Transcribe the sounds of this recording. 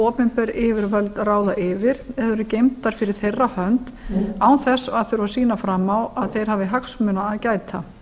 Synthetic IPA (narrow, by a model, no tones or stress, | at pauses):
ɔːpɪmpɛɾɪːvɪɾvœlt̪raːwðaʔɪvɪɾɛðʏɾʏcejmt̪aɾ̥fɪɾɪɾ̥θejrːahœnt̪aːwθɛsːaðθʏɾvasiːnafɾamːawaðθejɾ̥ɦaːvɪɦaksmʏnaːðcaːjt̪a